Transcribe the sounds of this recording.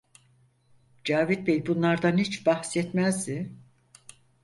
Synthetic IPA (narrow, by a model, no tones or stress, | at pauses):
d͡ʒaːvit̪̚bejbunlˠaɾd̪anhit͡ʃbahsɛt̪mæzd̪ɪ